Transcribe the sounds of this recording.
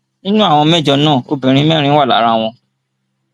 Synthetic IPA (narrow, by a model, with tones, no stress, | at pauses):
nĩ˦nũ˦a˦˨w̃ɔ̃˧mɛ˦˨d͡ʒɔ˧nãː˦˨o˧bĩ˨ɾ̃ĩ˨˦mɛ̃˦˨ɾ̃ĩ˦wa˦˨la̰˨˦ɾa˧w̃ɔ̃˧